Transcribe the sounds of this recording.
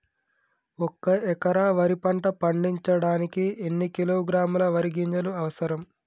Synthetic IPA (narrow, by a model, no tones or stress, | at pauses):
ɔkːɐɛkɐɾaːʋɐɾipɐɳʈɐpɐɳɖiɲt͡ʃɐɽaːnikienːikiloːɡɾaːmulɐʋɐɾiɡiɲt͡ʃɐluɐʋɐsɐɾɐm